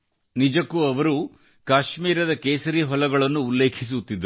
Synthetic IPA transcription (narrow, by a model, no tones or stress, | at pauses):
nid͡ʒɐkːuɐʋɐɾu | kaːʃmiːɾɐd̪ɐkeːsɐɾiːɦɔlɐɡɐɭɐnːuːlːe̞ːkʰis̬ut̪ːid̪ɾu